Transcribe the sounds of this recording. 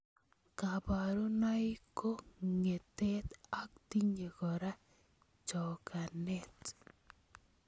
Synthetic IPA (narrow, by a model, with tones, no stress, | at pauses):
ka˨ba˨ɾu˦na˦jko˦ŋe˨tɛ˦t̪a˦k̚ti˦ɲe˨kɔ˨ɾa˦ | t͡ʃɔ˨ka˨nɛ˦t